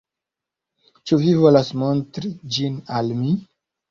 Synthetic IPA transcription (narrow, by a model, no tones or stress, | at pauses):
t͡ʃuvivo̞lasmontɾid͡ʒinalmi